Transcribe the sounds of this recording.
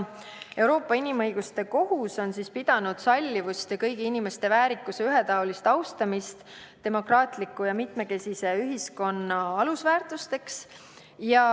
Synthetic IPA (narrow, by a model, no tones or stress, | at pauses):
e̞wɾo̞ːpːˑɑinimɤjɡ̥ust̪e̞ko̞ɦuso̞nsispid̪̥ɑnud̪̥sɑlʲːivust̪kɤjɡiinime̞st̪e̞væːɾikːˑuseyɦet̪ɑolist̪ɑwst̪ɑmist̪ | t̪ːe̞mo̞krɑːt̪ˑlikːˑujɑmit̪me̞ke̞sise̞yɦisko̞nːɑɑlusvæːrt̪ˑust̪e̞ks | jɑ